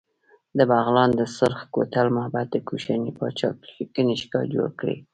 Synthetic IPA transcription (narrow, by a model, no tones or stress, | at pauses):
d̪əbaɣlɑnd̪əsʊɾxko̰t̪almabad̪ːəkuʃanipɑt͡ʃɑk̚ikəneʃkɑd͡ʒo̰ɽkɽḛ